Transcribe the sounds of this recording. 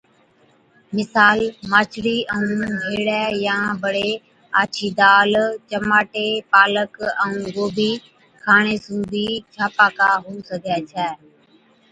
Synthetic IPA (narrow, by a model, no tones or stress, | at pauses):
mɪsaːlmaːt͡ʃʰɽiːʔəũːɦeːɽɛːjãːbəɽeː | aːt͡ʃʰiːd̪aːlt͡ʃəmaːʈeːpaːləkɛ̃ũːɡoːbʱiː | kʰaːɳ̃eːsũːbiːt͡ʃʰaːpaːkaːɦuːsəɡʱɛːt͡ʃʰɛː